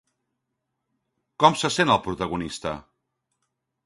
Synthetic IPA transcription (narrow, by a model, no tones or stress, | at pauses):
kɔmsəsenəlˠpɾut̪əɣunist̪ə̰